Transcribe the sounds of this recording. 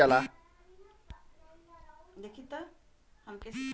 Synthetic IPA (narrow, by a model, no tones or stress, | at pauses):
ala | d̪ekʰit̪ːə | həmkes